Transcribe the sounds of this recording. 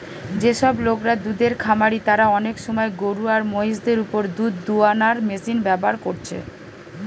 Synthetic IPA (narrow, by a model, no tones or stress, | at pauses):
d͡ʑeʃɔblokɾad̪ud̪eɾkʰamaɾit̪aɾaɔnekʃɔmɔeɡoɾuaɾmojsd̪eɾupoɾd̪ud̪ːuanaɾmesinbɛboaɾkoɾt͡ɕʰḛ